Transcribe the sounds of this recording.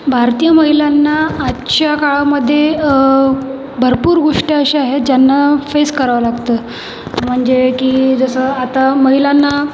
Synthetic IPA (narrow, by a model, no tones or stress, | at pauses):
bʱaɾt̪ijəməɦilanːaːt͡ɕakaɭaməd̪ʱːje | bʱəɾpuːɾɡoʂʈiəɕeaɦet̪̚d͡ʑjanːafeskəɾaʋəlaɡt̪ə | m̤əɳd͡ʑekiːd͡zəsəat̪aməɦilanːa